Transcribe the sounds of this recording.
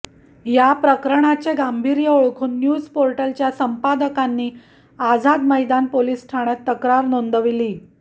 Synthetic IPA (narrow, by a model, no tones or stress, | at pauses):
japɾəkɾəɳ̃at͡seɡambʱiːɾjəoɭkʰuːnːjud͡zpoɾʈəlt͡ɕjasəmpad̪əkanːiː | ad͡zad̪məjd̪anpoliːsʈʰaɽ̃ət̪ːəkɾaɾnond̪əʋiliː